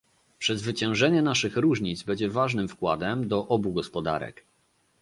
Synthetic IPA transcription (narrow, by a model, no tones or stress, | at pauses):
pʂɛzvɘt͡ɕɛ̃w̃ʐɛɲɛnaʂɘxɾuʐɲid̪zbɛɲd͡ʑɛvaʐnɘmfkwad̪ɛmd̪ɔʔɔbuɡɔspɔd̪a̰ɾɛ̰k